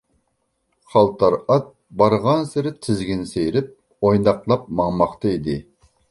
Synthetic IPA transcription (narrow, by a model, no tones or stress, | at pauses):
χɑlˠt̪ʰɑɾɑt̪̚ | bɑɾʁɑnsɪɾɪt̪ʰɪzɡʲinsejɾɪp̚ | ojnɑqlˠɑp̚mɑŋmɑqt̪ɑid̪ɪ